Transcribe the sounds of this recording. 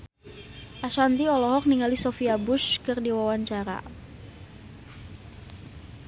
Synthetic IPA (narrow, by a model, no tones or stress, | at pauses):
ʔaʃant̪iɔlɔɦɔk̚niŋalisofiabʊʃkɨrdiwawaɲt͡ʃaɾa̰